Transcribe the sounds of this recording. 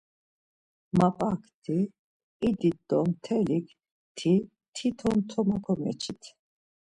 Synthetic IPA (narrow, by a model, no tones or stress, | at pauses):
mapʼakʰt̪ʰiː | d̪id̪ɔmt̪ʰɛlikʰ | t̪ʰi | t̪ʰit̪ʰɔnt̪ʰɔmakʰɔmɛ̰t͡ʃʰit̪ʰ